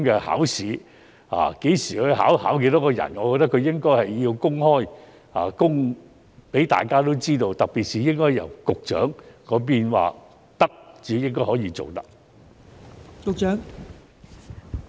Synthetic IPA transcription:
mkɛ˧ha̰ː˨˥wsiː˨˥ | a̰ː˨ke˨˥jsiː˨˩kɵ˨˧˥ɦa̰ː˨˥whaː˨˥wke˧˥jt̪ɔ˨˥kɔː˧jɐ̰˨˩nŋɔː˨˧kɔ˧kt̪̬ːɐ˥kʰːɵ˨˧ɥjɪ˥ŋkɔː˥jhɐ˨jːi˧wkʊ˥ŋhɔː˥j | a̰ː˨kʊ˥ŋ | pe˨˥jt̪a̰ː˨˩jkaː˥t̪̬o˥wt͡siː˥t̪o˧wt̪ɐ˨k̚pi˨t̚siː˨jɪ˥ŋkɔː˥jɐ˨˩wkʊ˨k̚t͡ʃœ̰ː˨˥ŋkɔː˨˧p̬iː˥nwa̰ː˨ | t̪ɐ˥k̚t͡siː˨˥jɪ˥ŋkɔː˥jhɔː˨˥jiː˧t͡so˨wt̪ɐ˥k̚ | kʊ˨k̚t͡ʃœː˨˥ŋ

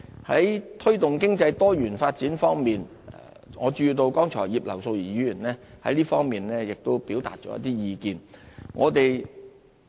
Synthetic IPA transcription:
hɐ˨˥jt̪ʰɵ˥t̪ʊ˨ŋkɪ˥ŋt͡sɐ˧jt̪ɔː˥jyː˨˩nfaː˧t̚t͡siː˨˥nfɔː˥ŋmiː˨n˨ | ŋɔː˨˧t͡ʃyː˧t̪o˧wkɔː˥ŋt͡ʃʰɔ̰ː˨˩jiː˨p̚lɐ˨˩wso˧wjiː˨˩jy˨˧jyː˨˩nlɛː˥hɐ̰˨˥jliː˥fɔː˥ŋmiː˨nlɛː˥jɪ˨k̚t̪o˥wpi˨˥wt̪aː˨t̚t͡ʃɔ̰ː˨˧˥jɐ̰˥t̪iː˥jiː˨˧kiː˨˧nŋɔː˨˧t̪e˨j

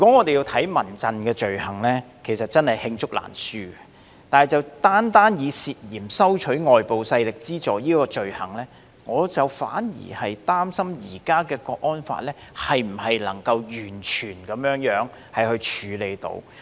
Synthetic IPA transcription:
jy˨kʷwɔ˨˥ŋɔː˨˧t̪e˨ji˧wt̪ʰɐ˨˥jmɐ˨˩nt͡sɐ˨nkɛː˧t͡ʃɵ˨ɥhɐ˨˩ŋlɛ˥kʰe˨˩sɐ˨t̚t͡sɐ˥nhɐ˨jhɪ˧ŋt͡sʊ˥k̚la̰ː˨˩nsyː˥ɡɛ˨ | t̪aː˨nhɐ˨˩jt͡sɐ˨wt̪aː˥nt̪aː˥njiː˨˧siː˨t̚jiː˨˩msɐ˥wt͡ʃʰɵ˨˥ɥŋɔː˨jpo˨wsɐ˧jlɪ˨k̚t͡siː˥t͡sɔː˨˥jiː˥kɔː˧t͡ʃɵ˨ɥhɐ˨˩ŋlɛː˥ | ŋɔː˨˧t͡sɐ˨˩wfa̰ː˨˥njḭː˨˩hɐ˨jt̪aː˥msɐ˥mjiː˨˩kaː˥kɛː˧kɔː˧k̚ʔɔː˥nfa̰ː˧˨t̚lɛː˥hɐ˨jm̩˨˩hɐ˨jlɐ̰˨˩ŋkɐ˧wjyː˨˩nt͡ʃʰyː˨˩nkɐ˨˧mjœː˨˥ŋjœː˨˥ŋ | hɐ˨jhɵ˧ɥt͡ʃʰyː˨˧le˨˧jt̪o̰˨˧˥w

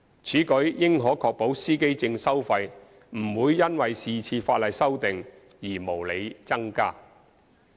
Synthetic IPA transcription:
t͡sʰiː˨˥kɵ˨˥ɥːɪ˥ŋɦɔː˨˥kʰɔː˧k̚po˨˥wsiː˥ke˥jt͡sɪ˧ŋsɐ˥wfɐ˧j | m̩˨˩wuː˨˧jːɐ˥nwɐ˨jsiː˨t͡sʰiː˧faː˧t̚lɐ˨jsɐ˥wt̪ɪ˨ŋ | jiː˨˩mo˨˩wle˨˧jt͡sɐ˥ŋkaː˥

